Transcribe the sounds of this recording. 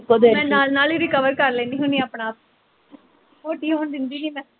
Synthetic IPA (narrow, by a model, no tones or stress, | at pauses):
kod̪emɛ̃ːnaːlnaːliɾɪkəʋəɾkɐɾleːnd̪iɦũːniəpɳaaːp̚ | oːʈiːõːnd̪ɪnd̪inimɛ̃